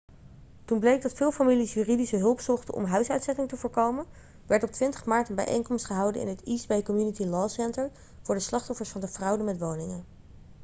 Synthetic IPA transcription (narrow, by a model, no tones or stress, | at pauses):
tunblejɡ̚dɑtfɪːlˠfamilisjyːridisəɦɵlˠpsɔχtənʔɔ̰mɦœɥsœɥtsɛtɪŋtəvʊːɹkowmən | ʋɛɹtɔp̚tʋɪntə̥χmaːɹtənbɛ̰jʔḛjŋkɔmstχəɦɑwdənɪ̰nɦətisbejkɔmjunitilɑːsɛntəɹ | v̥ʊːɹdəslɑχtɔfəɹsfɑndəvrɑwdəmɛtʋownɪŋən